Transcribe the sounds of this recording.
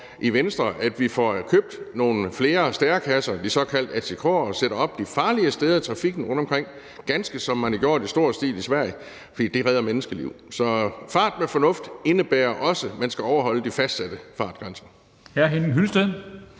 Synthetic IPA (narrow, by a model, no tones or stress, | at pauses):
ʔiʋensd̥ʁɐʔæd̥ʋifɒkʰøːb̥̚d̥no̝ːn̩fle̝ːɐsd̥æːɐkʰæsɐd̥isɒ̽kʰæl̰d̥æt͡sʰikʰʁoːɐɒ̽seɾ̥ɐɒ̽b̥̚d̥ifɑ̈ːliəsd̥eð̞ˠɐit͡sʰʁɑ̈fiɡ̥n̩ʁɔ̽n̰̥ɒ̽mkʰʁeŋ̰ | ɡ̥ænsɡ̥əsɒ̽mːæniɡ̥jo̝ɐ̰d̥isd̥o̝ɐ̰sd̥ḭːlisʋæɐ̰jə | fɒd̥ḭːd̥e̝ʁɛð̞ˠɐmenəsɡ̥əlḭʊ̰sɒ̽fɑ̈ːd̥mefɒ̽nɔ̽fd̥e̝nəb̥æːɐʔɒ̽səmænsɡ̥æɒʊɐɦɒ̽l̰əd̥ifæsd̥sæd̥əfɑ̈ːd̥̚ɡ̥ʁɑ̈ns | hæɐɦenŋɦylsd̥ə